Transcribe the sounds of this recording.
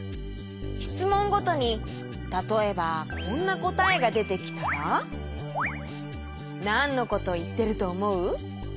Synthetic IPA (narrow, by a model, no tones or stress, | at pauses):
çi̥t͡sɨmõ̞ŋɡo̞t̪o̞ɲ̟i | t̪at̪o̞e̞bakʰõ̞nːako̞t̪ae̞ɡad̪e̞t̪e̞kʲi̥t̪aβa | nãnːo̞ko̞t̪o̞it̪ːe̞ɾɯ̟t̪o̞ːmo̞ɯ̟